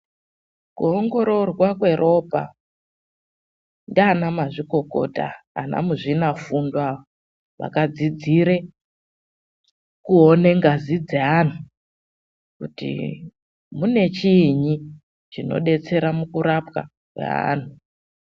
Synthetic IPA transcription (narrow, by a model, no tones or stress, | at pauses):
kuoŋɡo̞ɾo̞rwakwe̞ɾʔo̞pa̰ | ndianamaʐiko̞ko̞̰ta̰ːna̰muʐinafundwao | ʋa̰kad͡zid͡ziɾe | kuone̞ŋɡazid͡zean̤u | kutḭ | mune̞t͡ʃiɲi | t͡ʃino̞̰ɗe̞t͡se̞ɾamukuɾapka̰ | kwḛa̰n̤u